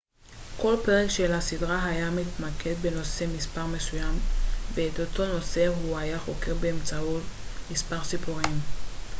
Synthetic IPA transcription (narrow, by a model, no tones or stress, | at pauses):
ko̞lpe̞ʁekʃe̞lasidʁaɦajamit̪makʰe̞d̪be̞no̞se̞mispaʁme̞sujamveːt̪ot̪o̞no̞se̞ɦuajaχo̞ke̞ʁbeemt͡sautmispaʁsipuʁim